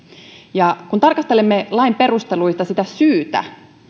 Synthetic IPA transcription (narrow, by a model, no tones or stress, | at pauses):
jɑkunt̪ɑrkɑst̪elemːelɑimpe̞rust̪e̞luist̪ɑsit̪æsyːt̪æ̰